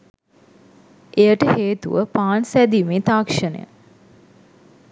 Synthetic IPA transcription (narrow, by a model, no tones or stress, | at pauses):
ʔejəʈəheːt̪uʋəpaːnsæd̪imeːt̪aːkʂənə̰jə̰